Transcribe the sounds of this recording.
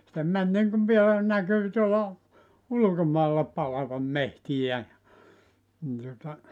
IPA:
se mæn niŋkuʋ ʋielæ nækyː tuolɑ ulŭkomɑilːɑ pɑlɑʋɑm mehtijæ jɑ ni tuŏtɑ

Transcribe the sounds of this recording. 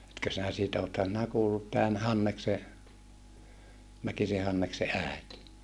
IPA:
etkø sinæ siːtæ othɑn sĭnæ kuːlːut tæːn hɑnːekse mækise hɑnːekse æˑet

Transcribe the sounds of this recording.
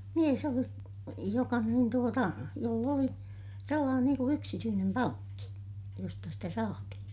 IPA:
mies oli jokɑ niːn tuotɑ jolː oli selːɑːnen niːŋ ku yksityːnem pɑŋkːi jostɑ sitæ sɑːtihĩː

